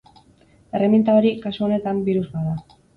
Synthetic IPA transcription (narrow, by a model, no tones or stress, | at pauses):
e̞re̞mint̪aoɾikasuo̞ne̞t̪ambiɾuzβaða